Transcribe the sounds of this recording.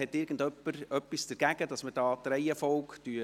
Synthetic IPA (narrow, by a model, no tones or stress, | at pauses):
ɛtɪɾɡ̥ən̩dœpːəɾœpːisd̥̪əɾɡ̥æɡ̥əd̥ɑsməd̥ɑːt̪ɾɛɪɛfɔwktyə